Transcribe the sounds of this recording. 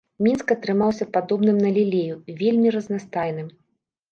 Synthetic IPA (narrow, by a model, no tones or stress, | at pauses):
mʲinskɐt̪ɾɨmawsʲɐpad̪ɔbn̪ɨmnɐlʲilʲejuvʲelʲmʲiɾɐznast̪ajnɨm